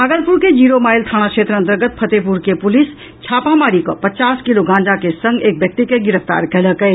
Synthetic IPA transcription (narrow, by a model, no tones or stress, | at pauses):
aːɡəlpuɾked͡ʒiːɾomaːjlt̪ʰaːɽ̃akʃet̪ɾəə̃nt̪əɾɡət̪̚pʰət̪epuɾkepʊlis | t͡ʃʰaːpamaːɽikɔ̰pətt͡ʃaːskiloɡãːnd͡ʒakesə̃ŋɡeːk̚bjək̚t̪ikeɡɪɾəft̪a̰ːɾkɛləkɛ